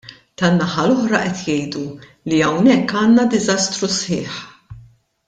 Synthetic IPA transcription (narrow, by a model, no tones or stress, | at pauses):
t̪ɐnːɐħɐlɔħɾɐʔɛt̪jɛjd̪u | liɐwnɛkːɐːnːɐd̪ɪzɐst̪ɾusħɪːħ